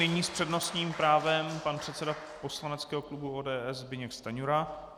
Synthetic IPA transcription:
nɪɲiːspr̝̥ɛdno̞st̪ɲiːmpɾaːvɛmpanpr̥ɛt̪sɛda | po̞slanɛt͡skɛːɦoklubuoːdɛːɛzbɪɲɛkst̪aɲuɾa

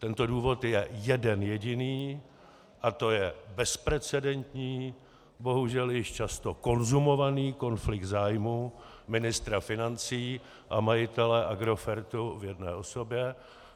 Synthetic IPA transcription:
t̪ɛnt̪o̞duːvo̞t̪jɛjɛdɛnjɛɟɪniː | ʔat̪o̞jɛbɛspɾɛt͡sɛdɛnt̪ɲiː | bo̞ɦuʒɛljɪʃt͡ʃast̪o̞ko̞nzumo̞vaniːko̞nflɪkt̪zaːjmu | mɪnɪst̪ɾafɪnant͡siː | ʔamajɪt̪ɛlɛʔaɡɾo̞fɛɾt̪uvjɛdnɛ̰ːʔo̞so̞bjɛ

